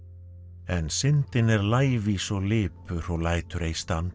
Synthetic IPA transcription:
ɛnsɪnt̪ɪnɛɾlaːjvisɔlɪːpʏɾ̥ɔwlaːjt̪ʏɾejst̪ant̪

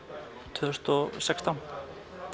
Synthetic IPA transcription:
t̪ʰʏst̪ɔsɛkst̪an

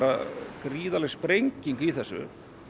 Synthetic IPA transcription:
ɾakɾiːðalɛɣspɾejŋciŋkiθɛsːʏ̰

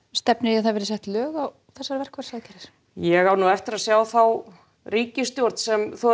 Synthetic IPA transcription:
st̪ɛpnɪɾiaðθaðvɛɾsɛht̪lœːɣaw | θɛsːaɾvɛr̥kvaɾ̥saːðcɛɾɪs | jɛɣawnuɛft̪ɪɾaðsjaːwθaw | riːcɪst̪joɾ̥t̪n̥sɛmθɔ

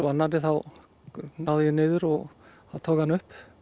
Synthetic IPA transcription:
ɔanːaɪθaw | nawðɪjɛnɪːðʏɾɔɣ | aðt̪ʰoːwkhanːʏhp

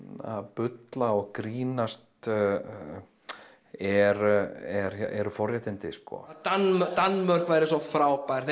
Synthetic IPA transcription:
a̰ðpʏt̪laɔɣkɾiːnast̪ | ɛɾɛɾ̥ɛɾfɔrjat̪ɪnt̪ɪskɔ̰t̪anmœt̪anmœr̥kvajɾɪsɔfɾaːwpaɾ̥θ

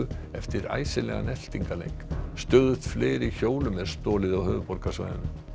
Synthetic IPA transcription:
ʏɛft̪ɪɾa̰ːjsɪlɛɣa̰nɛl̥t̪iŋkalḛjŋkst̪œðʏθt̪fleːɾiçoːwlʏmɛɾ̥st̪ɔːlɪðawhœːvʏpɔɾrkasva̰jðʏ̰nʏ

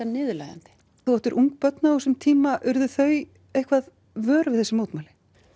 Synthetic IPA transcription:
anɪːðʏla̰jða̰nt̪ɪ̥ | θuɛht̪ʏɾʔuŋk̚pœt̪nausʏmt̪ʰiːmaʔʏɾðʏθœɥ | ejhkʰvað | vœːɾʏvɪðθɛsɪmoːt̪maːlɪ̥

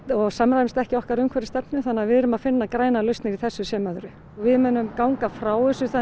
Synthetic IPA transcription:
ɔɣsamɾajmst̪ɛhcɪɔhkaɾʏmkʰvɛɾɪst̪ɛpnʏθanːavɪðɛɾʏmaðfɪnːakɾaːjnalœɥst̪nɪɾiθɛsːʏsjɛːmœðɾʏ | ɔɣvɪðmʏːnʏmkaːwŋkafɾaːwðɛsʏθa

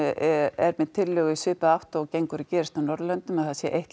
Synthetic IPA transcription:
ɛɾmɛðt̪ʰɪlːʏːɣisʏːpaaht̪ɔɣcejŋkʏɾɪcɛːɾɪst̪awnɔɾlœnt̪ʏmaðθaðsjɛʔejht̪

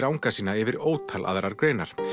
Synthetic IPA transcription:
ɾawŋkasiːnaɛvɪɾoːwt̪ʰala̰ðɾaɾkɾeːɥnaɾ̥

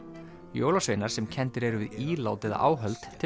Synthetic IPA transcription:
jo̰ːwlasvejnaɾ̥sɛmcʰɛnt̪ɪɾɛɾʏvɪðiːlaːwt̪ɪða̰ʔa̰ːwɦœlt̪ʰːɪ

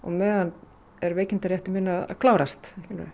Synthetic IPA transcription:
ɔ̰ɣmɛːðan | ɛɾveːjcɪnt̪aɾjɛht̪ʏmɪnaða̰kʰlaːwɾast̪ɛhcɪn̰ɾ

